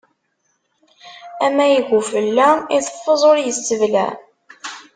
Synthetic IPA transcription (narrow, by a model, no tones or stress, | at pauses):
æmæjəɡʷufəlːæiθə̥fːəzˤoɾjəsːəvlæ̰